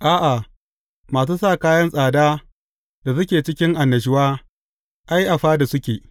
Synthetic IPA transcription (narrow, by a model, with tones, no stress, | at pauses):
ʔaː˦ʔa˨ | maː˨s̬uː˦saː˦˨kaː˦jɐ˦nsʼaː˨daː˦ | d̥a˨s̬ʊ˦kʲeː˨t͡ʃɪ˦kʲɪ˦ŋʔa˨nːɐ˨ʃ̬ɪ˦waː˦ | ʔa˦jʔa˨ɸaː˦da˨sʊ˦kʲeː˨ʔ